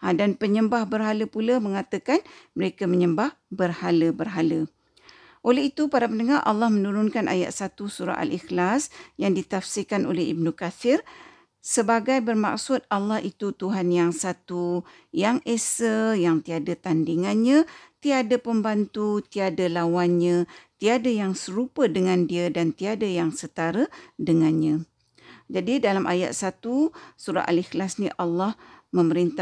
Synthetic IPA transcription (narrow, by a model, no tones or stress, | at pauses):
adanpəɲəmbahbərɦaləpulamə̃ŋat̪əkanməɾekaməɲəmbahbərhaləbərɦalə | ʔoleɦit̪upaɾapəndəŋarʔa̰lːahmə̃nuɾʊnkanʔa̰ja̰ʔ̪̚sat̪usuɾa̰ʔa̰lixlasjaŋdit̪afsikano̰lɛɦḭb̚nukafɪr | səbaɡajbərma̰ksʊt̪̚alːɑhit̪ut̪uɦanjaŋsat̪u | jaŋesəjaŋt̪iadat̪andiŋanɲãt̪iadəpəmbant̪ut̪iadəlawanɲãt̪iadajaŋsəɾupədəŋãndiədant̪iadajaŋsət̪aɾədəŋanɲã | d͡ʒadidalamʔa̰ja̰t̪̚sat̪usuɾa̰ʔa̰lixlasniʔalːahmə̃məɾint̪a